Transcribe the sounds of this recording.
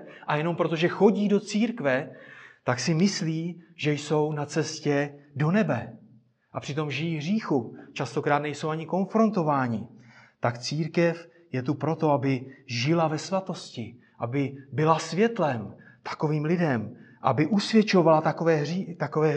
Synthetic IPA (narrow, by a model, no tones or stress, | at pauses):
ʔajɛno̞mpɾo̞t̪oʒɛxo̞ɟiːdo̞t͡siːɾkvɛt̪aksɪmɪsliːʒɛjso̞wnat͡sɛscɛdo̞nɛbɛ | ʔapr̥ɪt̪o̞mʒɪjiːɦriːxut͡ʃast̪o̞kɾaːt̪nɛjso̞wʔaɲɪko̞nfɾo̞nt̪o̞vaːɲɪt̪akt͡siːɾkɛf | jɛt̪upɾo̞t̪o̞abɪʒɪlavɛsvat̪o̞scɪ | ʔabɪbɪlasvjɛt̪lɛmt̪ḁko̞viːmlɪdɛmʔa̰bɪʔusvjɛt͡ʃo̞valat̪akovɛːit̪ako̞vɛː